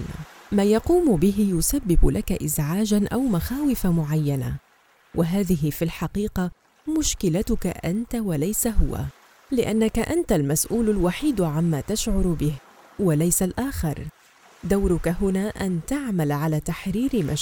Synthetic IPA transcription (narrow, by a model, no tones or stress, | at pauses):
maːjɑquːmʊbɪɦɪjʊsabːɪbʊlʔakaʔɪzʕaːd͡ʒanʔawmaxaːwɪfamʊʕajːana̰ | wʔaɦaːðɪɦɪfilħɑqiːqɑ | mʊʃkɪlat̪ʊka̰ʔa̰nt̪awalajsaɦʊwa̰ | lɪʔanːakaʔant̪almasʔuːlalwaħiːd̪ʕamːaːt̪aʃʕʊɾbɪh | walajsalʔaːxɪɾˤ | d̪awɾʊkaɦʊnaːʔant̪aʕmalʕalaːt̪aħɾiːɾma̰